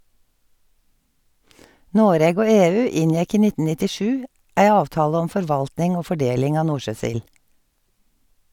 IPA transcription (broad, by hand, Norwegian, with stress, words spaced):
ˈnoːɾeːɡ ˈoː ˈeːˌʉː ˈɪnˌjɛk ˈiː ˈnɪtn̩ ˌnɪtɪˈʃʉː ˈʔæɪ ˈɑːʋˌtɑːlə ˈɔm ˌfɔɹˈʋɑltnɪŋ ˈoː ˌfɔˈɖeːlɪŋ ˈɑː ˈnuːɹˌʃøːˌsɪl